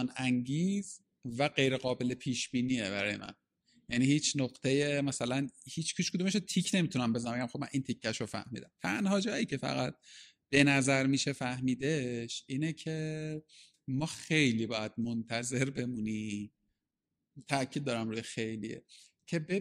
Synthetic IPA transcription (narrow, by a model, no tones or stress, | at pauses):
næŋɟiːz | væɢe̞jɾe̞ɣɒːbe̞lepʰiːʃb̥iːniːe̞bæ̰ɾɒ̰ːjḛʔæ̰n | jæniːhiːt͡ʃʰnoɣt̪ʰeje̞mæsælænhiːt͡ʃʰkʰuːʃkʰud̪umeʃot̪ʰicʰnemit̪unæmbe̞zænæmbeɟæmxobmæ̰nʔint̪ʰicʰːæʃofæ̰hmḭːd̪æmt̪ʰænhɒːd͡ʒɒːjiːcʰe̞fæ̰ɣæt̪̚ | b̥e̞næzæɾmiːʃe̞fæhmiːd̪e̞ʃʔiːnecʰe̞ | mɒːxe̞jliːbɒːjæd̪̥̚mont̪ʰæze̞ɾbe̞muni | t̪ʰæʔcʰid̪̚ːɒːɾæmɾuːjexe̞jlḭjḛ | cʰe̞e